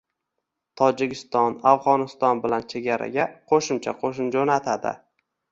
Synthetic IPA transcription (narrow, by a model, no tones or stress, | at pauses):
t̪ʰɒd͡ʒɪɡʲɪst̪ɒnafʁɒnɪst̪ɒnbɪlant͡ʃʰe̞ɡʲaɾa̰ɡʲaqʰoʃɪmt͡ʃʰaqʰoʃɪnd͡ʒonat̪ʰad̪ɪ̰